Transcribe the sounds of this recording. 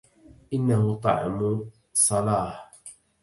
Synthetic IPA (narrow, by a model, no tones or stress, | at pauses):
ʔɪnːahʊt̪ˤɑ̰ʕɪ̰mʊ | sˤɑlɑːħ